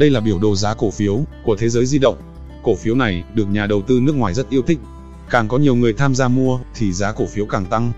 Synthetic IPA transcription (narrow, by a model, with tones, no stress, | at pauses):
ɗə˧jlaː˨˩ɓi˧˩əwɗo˨˩zaː˨˦ko˧˩fi˨˦əwku˧˩ət̪ʰe˨˦zəː˨˦jzi˧ɗə̰˧˨wŋ͡m | ko˧˩fi˨˦əwna˨˩jɗɨ˨˩ək̚ɲaː˨˩ɗə˨˩wt̪ɨ˧nɨ˦˥ək̚ŋwaː˨˩jzə˦˥t̚ʔi˧əwt̪ʰï˦˥k̟̚ | kaː˨˩ŋkɔ˨˦ɲi˨˩əwŋɨ˨˩əjt̪ʰaː˧mzaː˧mu˧ət̪ʰi˨˩zaː˨˦ko˧˩fi˨˦əwkaː˨˩ŋt̪a˧ŋ